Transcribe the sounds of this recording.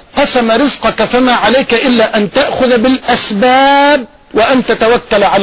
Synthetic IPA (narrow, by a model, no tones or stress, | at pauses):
qɑsamaɾɪzqɑkafamaːʕalajkaʔɪlːaːʔant̪aʔxʊðbɪlʔasbaːb̚ | wɪʔant̪at̪awakːalʕal